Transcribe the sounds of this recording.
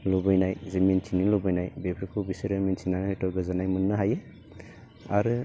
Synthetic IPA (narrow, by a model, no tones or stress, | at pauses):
lubɯjnajzemint͡ʃʰinilɔbɯjnajbepʰɾikʰubisiɾɯmint͡ʃinanhejtɔɡɯzanajmɯnːɯɦajɯ | aɾɯ